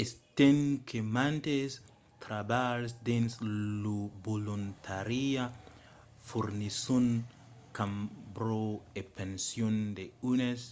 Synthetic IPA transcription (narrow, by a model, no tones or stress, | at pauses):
est̪enkʰemant̪es | t̪ɾabalsd̪enslubolunt̪ʰaɾia | fuɾnisun | kambɾoepensjond̪eunes